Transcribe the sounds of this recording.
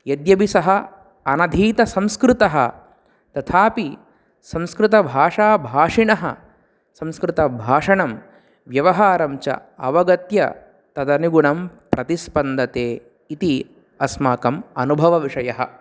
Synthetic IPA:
jɐd̪jɐbisɐɦɐ | ɐnɐd̪ʱiːt̪ɐsɐ̃mskɾɪt̪ɐɦɐ̰ | t̪ɐt̪ʰaːpi | sɐ̃mskɾɪt̪ɐbʱaːʂaːbʱaːʂiɳɐɦɐ̰ | sɐ̃mskɾɪt̪ɐbʱaːʂɐɳɐm | ʋjɐʋɐɦaːɾɐmt͡ʃɐ̰ɐʋɐɡɐt̪jɐ̰ | t̪ɐd̪ɐniɡuɳɐmpɾɐt̪ispɐnd̪ɐt̪eː | it̪i | ɐsmaːkɐmɐnubʱɐʋɐʋiʂɐjɐɦɐ̰

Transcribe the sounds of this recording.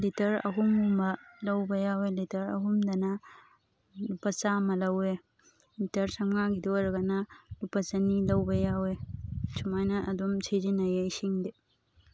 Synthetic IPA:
litɐɾɐ̰ɦumumbɐlɐwbɐjawelitɐɾɐ̰ɦumdɐnɐ | lupɐsamɐlɐwe | litɐɾsɐmŋaɡidoɾɐɡɐnɐlupɐt͡ʃɐnilɐwbɐjawesumajnɐʔɐdumsʰezinɐjeisiŋde

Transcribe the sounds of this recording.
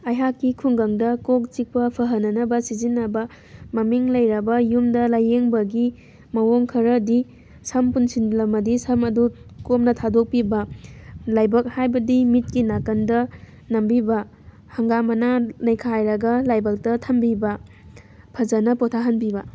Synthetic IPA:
ɐjɦakːikʰuŋɡɐŋdɐkok̚t͡ʃik̚pɐpʰɐɦɐnːɐnɐbɐsizinːɐbɐ | mɐmiŋlɐjɾɐbɐjumdɐlajːeŋbɐɡi | mɐwoŋkʰɐɾɐdi | sɐmpunsinlɐmɐdisʰɐmɐdukomnɐtʰadok̚pibɐlajbɐk̚hajbɐdimit̚kinakɐndɐ | nɐmbibɐ | hɐŋɡamɐnanɐjkʰajɾɐɡɐlajbɐk̚tɐtʰɐmbibɐ | pʰɐzɐnɐpotʰaɦɐnbibɐ

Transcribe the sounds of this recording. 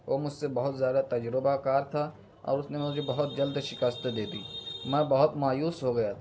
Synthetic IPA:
ʋoːmʊd͡ʒʱsebɐɦʊt̪zjaːd̪at̪ɐd͡ʒɾɪbakaːɾt̪ʰa | ɔ̰ːɾʊsnemʊd͡ʒʱebɐɦʊt̪̚d͡ʒɐld̪ʃɪkast̪d̪eːd̪iːmɛ̃ːbɐɦʊt̪maːjuːsɦoɡɐjat̪ʰ

